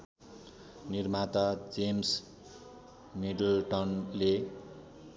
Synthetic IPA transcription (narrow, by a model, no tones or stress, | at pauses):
nirmat̪ad͡zems | miɖlʈʌnle